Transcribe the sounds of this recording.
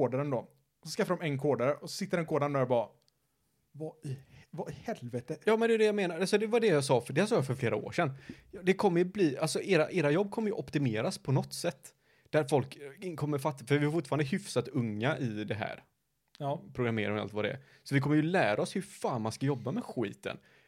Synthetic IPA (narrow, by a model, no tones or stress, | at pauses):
oːd̪aɾənd̪o | ɔsɔskafadɖ̪ɔmɛnkʰoːd̪aɾəɔsɔsɪt̪ːəɾɛnkʰoːd̪aɾnd̪ɔɾjabɑː | vaɪvaɪhɛlvɛt̪əjɑːmɛnd̪ɛvad̪ɛjameːnaɾalsɔd̪ɛvadɛjɑsɑːfɖɛasɑːjafœɾfleːɾao̰ːʂɛnjd̪ɛkʰɔmːəjɵbliːalsɔʔeːɾaʔeːɾajɔbːkʰɔmːəjɵʔɔpt̪ɪmeːɾaspʰɔnɔt̪ːsɛt̪ː | d̪̥æɾfɔlkkʰɔmːəɾfat̪ːafœɾvɪhaɾfʊʈːfɑːɾand̪əɦʏfsat̪ɵŋːaʔɪd̪ɛɦæ̰ːɾ | pʰɾʊɡɾamḛːɾaa̰lt̪vad̪ɛɛ̰ɾ | sɔvɪkʰɔmːəjɵlæːɾaɔshɵɾfaːnmanskajɔbːamɛɧḭːt̪ə̰n